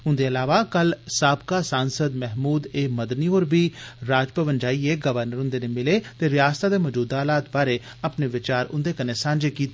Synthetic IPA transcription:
ʊnd̪eːəlaːʋaːkəlsaːbkaːsaːnsəd̪mɛɦmuːd̪eːməd̪niːoːɾbiːɾaːd͡ʒpəʋənd͡ʒaːiːeːɡəʋəɾnəɾʊ̃nd̪eːnemɪleːt̪eːɾɪjaːst̪aːd̪eːməd͡ʒuːd̪aːlaːt̪baːɾeː | apneːʋɪt͡ʃaːɾʊ̰̃nd̪eːkəneːsãːnd͡ʒeːkiːt̪ː

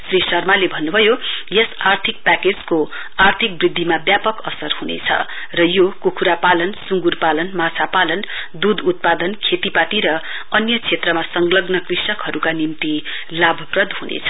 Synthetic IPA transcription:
srisʌrmalebʱʌnːubʱʌjojʌsart̪ʰik̚paked͡zko | art̪ʰik̚brid̪ʱːimabjapʌkʌsʌrhunḛt͡sʰʌ̰ | rʌjokukʰuɾapalʌnsuŋɡurpalʌnmat͡sʰapalʌn | d̪ud̪ʱut̪̚pad̪ʌnkʰet̪ipat̪iɾʌ | ʌnjʌt͡sʰet̪rʌmasʌŋɡlʌɡnʌkrisʌkɦʌɾukanimt̪i | labʱʌprʌd̪ʱɦunḛt͡sʰʌ̥

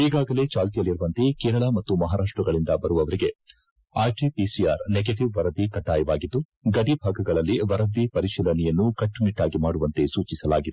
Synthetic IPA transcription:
iːɡaːɡɐle̞ːt͡ʃaːlt̪ijɐlːiɾuʋɐnt̪e̞keːɾɐɭaːmɐt̪ːumɐɦaːɾaːʂʈɾɐɡɐɭind̪ɐbɐɾuʋɐʋɐɾiɡe̞ | aːɾʈipisijaːɾneɡeʈiʋʋɐɾɐd̪ikɐʈːaːjɐʋaːɡid̪ːu | ɡɐɖibʱaːɡɐɡɐɭɐlːiʋɐɾɐd̪ipɐɾiʃilɐnɛjɐnːukɐʈːuniʈːaːɡimaːɽuʋɐnt̪e̞suːt͡ʃisɐlaːɡid̪e

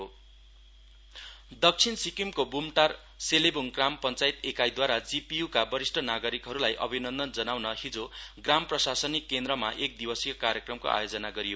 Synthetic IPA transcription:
o | d̪ʌk̚t͡sʰinsikimkobumʈar | selebuŋkrampʌnt͡sajt̪ekajd̪waɾad͡zipijukabʌɾisʈʰʌnaɡʌɾikɦʌɾulajʔʌ̰bʱinʌnd̪ʌnd͡zʌnawnʌɦid͡zoɡramprʌsasʌnikːend̪rʌmaʔek̚d̪ibʌsikokaɾjʌkrʌmko̰ʔa̰jod͡zʌnaɡʌɾijo

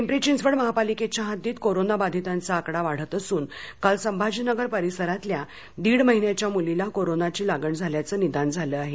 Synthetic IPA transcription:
empɾit͡ɕind͡zʋəɽməɦapaliket͡ɕjaɦat̪iːt̪koɾonabad̪ʱit̪ant͡saːkɽaʋaɽ̤ət̪əsuːnkalsəmbʱad͡ʑinəɡəɾpəɾisəɾat̪lja | d̪iːɽməɦinjat͡ɕjamulilakoɾonat͡ɕiːlaɡəɳd͡zʱaljat͡səːnid̪and͡zʱaləaɦe

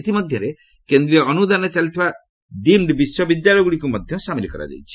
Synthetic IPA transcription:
t̪imɔd̪ʱjɔɾe | kend̪ɾiɔɔnud̪anɔt͡ʃalit̪ʰiba | d̪imɖbiswɔbid̪jaɭɔjɡuɽikumɔd̪ʱjɔsamilikɔɾa̰d͡ʒa̰jt͡ʃʰi̥

